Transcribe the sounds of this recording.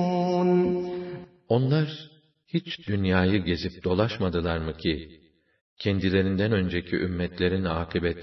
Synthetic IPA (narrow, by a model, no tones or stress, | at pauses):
n | o̞nlˠaɾ | hit͡ʃd̪ynjaːjɯɟe̞zip̚d̪o̞lˠaʃmad̪ɯlˠaɾmɯcʰi | cʰɛnd̪ilʲe̞ɾind̪ænø̞nd͡ʒecʰiʔymːɛt̪lʲeɾinaːkʰibɛt̪